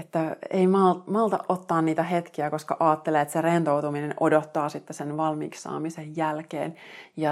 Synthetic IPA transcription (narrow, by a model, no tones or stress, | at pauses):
et̪ːæḛjmɑlmɑlt̪ɑ̰ʔʔot̪ːɑːnniːt̪æɦet̪kiækoskɑʔɑːt̪ːeleːt̪serent̪owt̪uminenʔodot̪ːɑːsit̪ːesenʋɑlmḭːksːɑ̰ːmisejːælkḛːnjɑ